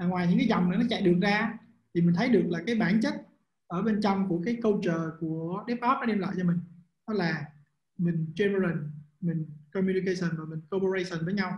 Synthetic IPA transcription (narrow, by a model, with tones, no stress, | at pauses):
aː˨˩ŋwaː˨˩jɲɨ̰˧˥ŋkaː˨˦jzɔ̰˨˩wŋ͡mna˨˩nɔ˨˦t͡ɕa̰˧˨jɗɨ˨˩ək̚zaː˧ | t̪ʰi˨˩mï˨˩ŋ̟t̪ʰə˨˦jɗɨ˨˩ək̚laː˨˩kaː˨˦jɓaː˧˩nt͡ɕə˦˥t̚ | ʔəː˧˩ɓe˧nt͡ɕɔ˧wŋ͡mku˧˩əkaː˨˦jkə˧wt͡ɕəː˨˩ku˧˩əɗɛ˦˥p̚ʔɔ˦˥p̚nɔ˨˦ɗɛ˧mlwa̰ː˧˨jt͡ɕɔ˧mï˨˩ŋ̟ | ɗɔ˨˦laː˨˩ | mï˨˩ŋ̟t͡ɕe˧mə˧lə˨˩nmï˨˩ŋ̟kɔ˧mju˧ni˧kə˧sə˨˩nvaː˨˩mï˨˩ŋ̟ko˧pə˧ɾe˧sə˨˩nvəː˨˦ɲa˧w